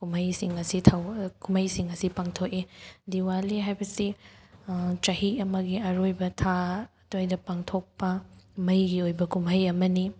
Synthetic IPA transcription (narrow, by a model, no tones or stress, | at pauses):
kumɐjsiŋɐsitʰawkumɐjsiŋɐsipaŋtʰokediwaliɦajbɐsi | t͡ʃɐhiɐmɐɡiɐɾojbɐtʰa | tojdɐpaŋtʰok̚pɐmɐjɡiojbɐkumɦɐjɐmɐni